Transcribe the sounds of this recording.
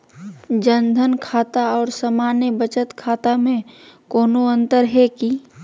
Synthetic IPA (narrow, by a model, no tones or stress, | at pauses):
d͡ʒənd̪ʱənkʰaːt̪aɔːɾsəmaːnjəbət͡ʃət̪kʰaːt̪amẽkoːnoə̃nt̪əɾɦɛki